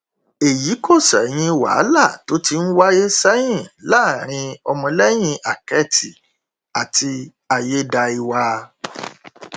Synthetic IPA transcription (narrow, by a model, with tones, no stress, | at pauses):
e˨ji˨˦ko˦˨sɛ̰˨j̃ĩ˧wa̰˨˦la˦˨to˨˦ti˧n̩˦wa˦je˦sa˦jĩ˦˨la˦˨ɾ̃ĩ˧ɔ˧mɔ̃˧lɛ˦j̃ĩ˧a˨kɛ˦˨tʰi˨ | a˨ti˧ | a˧je˦da˧i˧wa˧